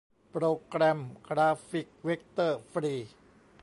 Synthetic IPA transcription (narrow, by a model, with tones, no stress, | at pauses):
pɾoː˧kɾɛ˧mkɾaː˧fi˨˩k̚we˦˥k̚t̪ɤː˥˩fɾiː˧